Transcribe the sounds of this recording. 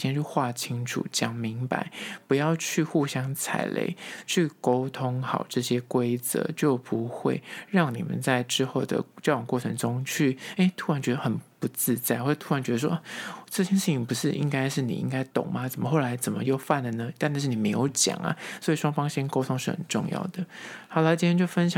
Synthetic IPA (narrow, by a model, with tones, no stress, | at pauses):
jɛ˥nt͡ɕʰy˥˧xwa˥˩t͡ɕʰi˥ŋʈ͡ʂʰṵ˨˩t͡ɕjɑ˨˩ŋmi˧˥ŋpa̰˨˩˦ɪpu˧˥jɑ˥˧ʊt͡ɕʰy˥˧xu˥˩ɕjɑ˥ŋt͡sʰa̰˨˩ɪlḛ˧˩ɪt͡ɕʰy˥˩ko˥ʊt̪ʰʊ˥ŋxɑ˨˩ʊʈ͡ʂɤ˥˩ɕjɛ˥kwe˥ɪt͡sɤ̰˧˦t͡ɕjo˥˩ʊpu˨˧˦xwḛ˥˧ɪɻɑ˥˩ŋnḭ˨˩mə̰˨˦nt͡sa˥˩ɪʈ͡ʂɻ̩˥xo˥˩ʊd̪ə̰˩t͡ɕjʊwŋkwɔ˥˩ʈ͡ʂʰɤ˧˥ŋʈ͡ʂʊ˥ŋt͡ɕʰy˥˩e˥˩ɪt̪ʰu˥ɻa˧˦nt͡ɕɥɛ˧˥d̪ə˧xə˨˩npu˨˦t͡sɹ̩˥˧t͡sa˥˩ɪxo˥˩t̪ʰu˥ɻa˧˥nt͡ɕɥɛ˧˥d̪ə˧ʂwɔ˥ʔʈ͡ʂɤ˥˧t͡ɕʰjɛ˥˧nʂɻ̩˥˩t͡ɕʰi˧˦ŋpu˧˥ʂɻ̩˥˩ʔi˦ŋka˥ɪʂɻ̩˥˩nḭ˨˩ʔḭ˧˥ŋka˥ɪt̪ʊ̰˨˩ŋma˦t͡sə˨˩mə˦xo˥˩ʊla˧˥ɪt͡sə˨˩nmə˦jo˥˧ʊfa˥˩nd̪ə˩nə˦t̪n˥˧ʂ̩ɻ̩˥˩n˨˩me˧˥ɪjo˧˥ʊt͡ɕjɑ̰˨˩ŋɐ̰˦swɔ˧˥i˨˩ʂwɑ˥ŋfɑ˥ŋɕi˥nko˥ʊt̪ʰʊ˥ŋʂɻ̩˥˩xə̰˨˩nʈ͡ʂʊ̰˥˧ŋjɑ̰˥˩ʊd̪̥ə˩xɑ˨˩la˧˦t͡ɕi˥˩jt͡ɕjo˥˩ʊfə˥nɕjɑ˨